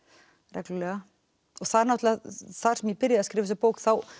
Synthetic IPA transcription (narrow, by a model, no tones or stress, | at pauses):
rɛklɪlɛːɣa | ɔɣθaðɾnɔht̪laθḁsɛmjɛpɪɾjaðaskɾɪːvɪsɪpowkθaw